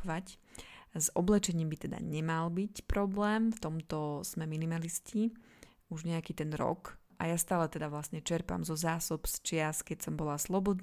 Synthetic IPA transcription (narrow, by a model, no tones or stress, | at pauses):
ʋac | zɔblɛt͡ʃɛɲiːmbit̪ɛd̪a̰ɲɛmalbicpɾɔblɛːmft̪ɔmt̪ɔz̥mɛminimalisci | uʒɲɛakiːt̪ɛnɾɔ̰kʔa̰jast̪aːlɛt̪ɛd̪aʋlasɲɛt͡ʃɛɾpa̰mzɔzaːsɔpst͡ʃɪaskɛcsɔmbɔlaslɔbɔd̪